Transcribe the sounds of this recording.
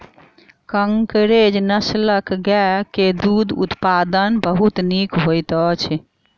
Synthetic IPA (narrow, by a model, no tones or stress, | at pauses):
kəŋkɾed͡ʒnəsləkɡɛked̪ud̪ṵt̪pad̪ənbəɦut̪nikɦojt̪ɔt͡ʃʰ